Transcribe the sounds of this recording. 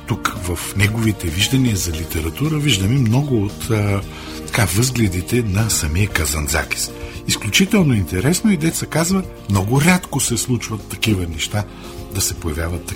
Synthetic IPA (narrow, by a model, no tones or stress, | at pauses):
t̪ukvɐfnɛɡovit̪ɛviʒd̪ɐniəzɐlit̪ɛɾɐt̪uɾəviʒd̪ɐmimnɔɡʊot̪ː | t̪ɐ̥kavɤzɡlʲɛd̪it̪ɛnɐsɐmiəkɐzɐnza̰kʲi̥sisklʲʊt͡ʃit̪ɛlˠnoint̪ɛɾɛsnoid̪ɛt̪sɐkazvə | mnɔɡʊɾʲat̪kosɛslˠut͡ʃvɐt̪ːɐkivənɛʃt̪a | d̪ɐsɛpojɐvjavɐt̪ːɐ